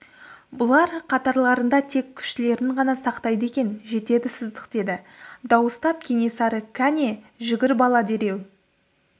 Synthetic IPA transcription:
bʊlˠɑɾqʰɑt̪ɑɾlˠɑɾənd̪ɑt̪ʰe̞kʲʰʏ̥ʃt̪ɪle̞ɾɪɴʁɑnɑsɑqt̪ɑjd̪əe̞kʲe̞nʒe̞t̪e̞d̪ɪsɪzd̪əqd̪̥e̞d̪ɪ | d̪ɑwəst̪ɑp̚kʲʰe̞ŋe̞sɑɾəkʲʰæne̞ | ʒɪɡʲɪɾbɑlˠɑd̪e̞ɾe̞w

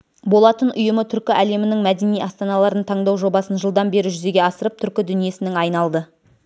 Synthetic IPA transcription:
bo̞lˠɑt̪ənʔʊjəmət̪ʰʏɾkʲɪʔæle̞mɪnɪŋmæd̪e̞nijʔɑst̪ɑnɑlˠɑɾd̪əɴt̪ʰɑɴd̪ɑwʒo̞bɑsənʒəlˠd̪ɑnbe̞ɾɪʒʏze̞ɡʲe̞ɑsəɾəp̚t̪ʰʏɾkʲɪd̪ʏnije̞sɪnɪŋɑjnɑlˠd̪ə

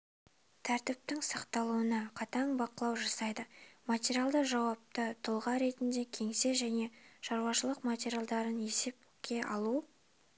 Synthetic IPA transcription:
t̪ʰæɾt̪ɪp̚t̪ɪŋsɑqt̪ɑlˠuənɑqʰɑt̪ɑɴbɑqəlˠɑwʒɑsɑjd̪əmatʲeɾialˠd̪əʒɑwɑp̚t̪ət̪ʰʊlˠʁɑɾe̞t̪ɪnd̪e̞kʲʰe̞ŋse̞ʒæne̞ʃɑɾwɑʃəlˠəqmatʲe̞ɾjalˠd̪ɑɾəne̞se̞p̚ɵkʲʰe̞ʔɑ̰lˠu

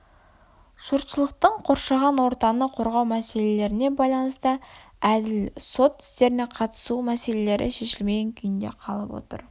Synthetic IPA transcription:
ʒ̥uɾt̪ʃəlˠəq̚t̪əɴqʰo̞ɾʃɑʁɑnwo̞ɾt̪ɑnəqʰo̞ɾʁɑwmæse̞le̞le̞ɾɪne̞bɑjlˠɑnəst̪ə | æd̪ɪlso̞t̪ɪ̥st̪e̞ɾɪne̞qʰɑt̪ə̥sumæse̞le̞le̞ɾʔɪ̰ʃe̞ʃɪlme̞ɡʲeŋkʲʰʏjɪnd̪e̞̰qʰɑlˠəpwo̰t̪ə̰ɾ

